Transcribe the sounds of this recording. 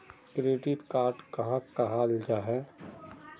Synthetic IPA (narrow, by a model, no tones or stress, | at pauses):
kɾeːɖɪt̪kaːɾʈkɐɦãkaɦaːld͡ʒaːɦɛː